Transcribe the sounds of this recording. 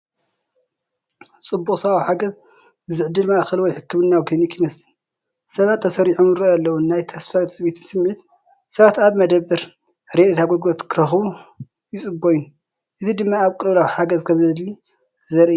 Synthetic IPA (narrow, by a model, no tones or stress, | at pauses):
t͡sʼɨbːuχʼsɐβawħaɡɐz | zɨʕd̪ɨlmaʔxɐlwɔjħɨkːɨmɨnːawɡʰɐnikʰimɐslɨn | sɐβat̪ʰːɐsɐɾiħomɨɾɨalːɐwunːajt̪ʰɐsfɐɾsʼɨβit̪ʰɨnsɨmːit̪ | sɐβat̪aβmɐd̪ɐbːɨɾ | ɾed̪et̪ʰaɡoɡot̪kʰɨɾɐxβu | jɪt͡sʼɨbojun | ʔɨzid̪ɨmːaːβkʼɨβlawħaɡɐzkʰɐmzɨli | zɐɾʔi